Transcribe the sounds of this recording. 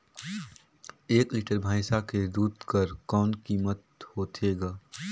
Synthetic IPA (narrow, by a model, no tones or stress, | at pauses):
eːkliːʈəɾbʱaːɪsaked̪uːd̪kɐɾkɔːnkiːmət̪hoːt̪ʰeːɡaː